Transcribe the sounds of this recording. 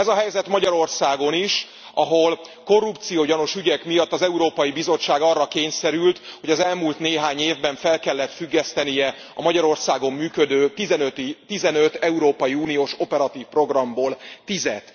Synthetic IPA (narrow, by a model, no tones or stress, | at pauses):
ɛzɒɦɛjzɛt̪mɒɟɒɾo̞rsaːɡo̞niʃ | ʔɒɦo̞l | ko̞rːupt̪sijoːjɒno̞ʃyɟɛkmijɒt̪ːɒzɛuɾoːpɒjibizo̞t͡ʃːaːɡɒrːɒkeːɲsɛɾylt̪ho̞ɟɒzɛlmuːlt̪neːɦaːɲːeːvbɛɱfɛlkɛlːɛt̪fyɡːɛst̪ɛnijɛ | ɒmɒɟɒɾo̞rsaːɡo̞mːyːkø̞d̪øːzɛnøt̪it̪izɛnøt̪ɛuɾoːpɒjiuːnijoːʃo̞pɛɾɒt̪iːfpro̞ɡrɒmboːlt̪izɛt̪